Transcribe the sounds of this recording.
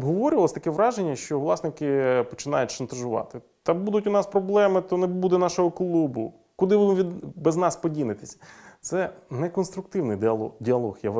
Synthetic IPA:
ɔbɦɔʋɔɾʲʊʋɐlˠsʲt̪ɐkɛʋɾɑʒenʲːɐʃt͡ʃɔʋlˠɑsnɪkɪpɔt͡ʃɪn̪ɑjʊtʲʃɐnt̪ɐʒʊʋɑ̰t̪ɪ | t̪ɐbud̪ʊtʲʊnɑspɾɔblˠɛmɪt̪ɔnebud̪ɛnɑʃɔɦɔklˠubʊ̰ | kʊd̪ɪʋɪʋʲid̪bɛznɑspɔdʲilɪt̪esʲɐ̥t̪sɛnɛkɔnst̪ɾʊk̚t̪ɪwnɪjdʲɪɐlˠɔxja

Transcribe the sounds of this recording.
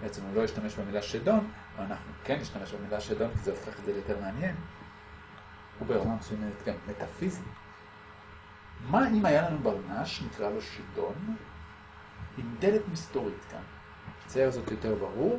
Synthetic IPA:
beet͡semulo̞jiʃtameʃbemilaʃedo̞n | vaanaχnukenːiʃtame̞ʃbemilaʃedo̞nkizeofeχetzejoteʁmeanje̞n | ubeeʁnamesujamenet̪ɡamːetafizi | maimajalanubaʁnaʃnikʁaloʃido̞n | imd̪e̞letmisto̞ʁitka̰n | ʃe̥t͡sajaχzo̞tjo̞te̞ʁbaʁuʁ

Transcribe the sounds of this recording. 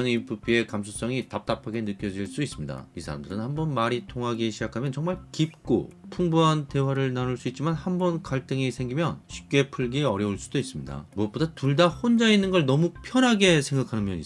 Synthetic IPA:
ʌnipʰupʰie̞kamsʰos͈ʌŋitap̚t͈apʰaɡe̞nɯk͈jʌd͡ʑiɭs͈uis͈ɯmɲida̰isʰaɾa̰mdɯɾɯnhambʌnmaɾitʰoŋɦaɡiɕʰid͡ʑakʰamjʌnt͡ɕʌŋmaɭkip̚k͈o̰pʰuŋbuɦante̞waɾɯɭnanuɭs͈uit̚t͡ɕ͈imanhambʌnkaɭt͈ɯŋisʰe̞ŋɡimjʌnɕʰi̥p̚k͈e̞pʰɯɭɡiʌɾjʌuɭs͈udois͈ɯmɲida̰muʌp͈odatuɭdahond͡ʑainːɯnɡʌɭnʌmupʰjʌnɦaɡe̞sʰe̞ŋɡakʰanɯnmjʌɲi

